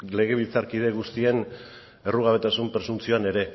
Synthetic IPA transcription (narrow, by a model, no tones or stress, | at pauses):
le̞ɣ̞e̞βilt͡saɾkið̞e̞ɣ̞ust̪ie̞n | e̞ruɣ̞aβe̞t̪asumpɾe̞sumt͡sioane̞ɾe̞